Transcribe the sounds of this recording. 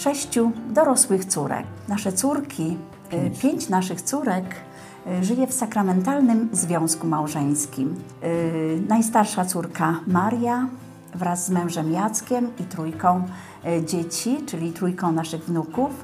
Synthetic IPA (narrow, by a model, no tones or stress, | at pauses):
ʂɛɕt͡ɕud̪ɔɾɔswɘxt̪suɾɛ̰knaʂɛt̪suɾkʲʰi | pʲjeɲt͡ɕnaʂɘxt̪suɾɛk | ʐɘjɛfsakɾamɛnt̪alnɘmzvʲjɔ̃w̃skumawʐɛɲ̃skʲim | najs̬t̪aɾʂat̪suɾkamaɾja | vɾazːmɛ̃w̃ʐɛmjat̪skʲɛmit̪ɾujkɔ̃w̃ | d͡ʑet͡ɕit͡ʂɘlʲit̪ɾujkɔ̃w̃naʂɘɣvnukuf